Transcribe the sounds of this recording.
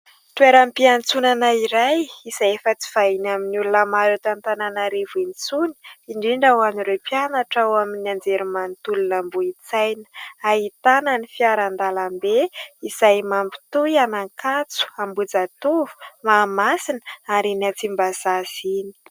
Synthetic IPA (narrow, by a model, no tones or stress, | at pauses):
t̪ueɾampiant͡sunanaiɾajiz̥ajefət͡si̥v̥ainaminulunəmaɾot̪ant̪ananaɾevint͡suni̥iɳɖ͡ʐiɳɖ͡ʐawaniɾepjanaʈ͡ʂawaminand͡zeɾimant̪ulunambuit͡sajnəaɦit̪ananifiaɾand̪alambeiz̥ajmampi̥t̪ujanaŋkʰat͡su̥ambud͡zat̪uvu̥maːmasinaɾinat͡simbaz̥azini̥